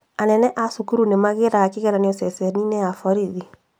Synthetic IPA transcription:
anɛnɛʔasukuɾunemaɣeɾaakiɣɛɾaneɔsɛsɛninɛafɔɾiði

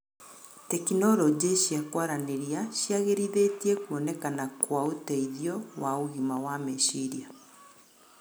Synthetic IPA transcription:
tɛkinɔɾɔd͡ʑeɕiakwaɾaneɾiaɕjiaɣeɾiðetiekuɔnɛkanakwaotɛiðiɔwaoɣimawameɕiɾia

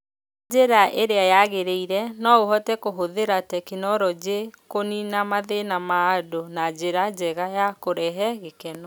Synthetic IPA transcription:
d͡ʒeɾaʔeɾeajaɣeɾeiɾɛnɔoɦɔtɛkoɦoðeɾatɛkinɔɾɔd͡ʑekoninamaðenamaːdonad͡ʒeɾad͡ʑɛɣajakoɾɛɦɛɣekɛnɔ

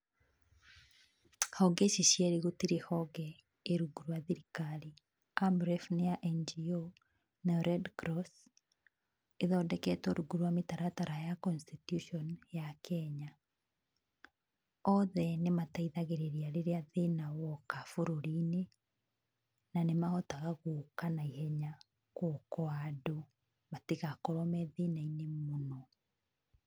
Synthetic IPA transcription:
hɔɡɛʃiɕjɛɾeɣotiɾehɔɣɛ | eɾuɣuɾwaðiɾikaɾi | ambɾɛfnejaʔɛnd͡ʒio | naɾɛdkɾɔs | eðɔːndɛkɛtɔɾuɣuɾuwametaɾataɾajakɔnstitjuʃɔnjakʰɛɲa | ɔðɛnemataiðaɣeɾeɾiaɾeɾeaðenawɔkafoɾoɾine | nanemaɔtaɣaɣoːkanaihɛɲa | kɔkɔado | matiɣakɔɾɔmɛðenainemonɔ

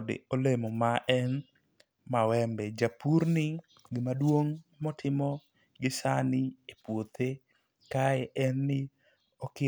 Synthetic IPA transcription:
dɪ̰olemɔmaʔɛn | mawɛmbɛd͡ʒapuɾnɪ | ɡɪmadwoŋmɔtʰɪmɔ | ɡɪsanɪepwot̪e | kaɛʔɛnːɪ | ɔkɪ

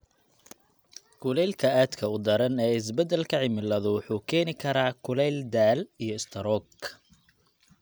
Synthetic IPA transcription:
kʰʊlɛjlkʰɐaːd̪kʰɐʊd̪ɐɾɐnɛːɪs̬bɛd̪ɛlkʰɐʕɪmɪlɐðʊwʊħuːkʰɛːnɪkʰɐɾaːkʰʊlɛld̪aːlijɞɪst̪ʰɐɾɔɡ

